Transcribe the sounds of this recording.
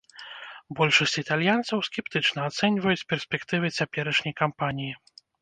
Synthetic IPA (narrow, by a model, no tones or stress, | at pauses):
bɔlʲʂɐsʲt͡sʲit̪alʲjant̪sɐwskʲɛpt̪ɨt͡ʂnɐːt̪sɛnʲvɐjut͡sʲpʲɛrsʲpʲɛkt̪ɨvɨt͡sʲapʲɛɾɐʂnʲɐjkampanʲiji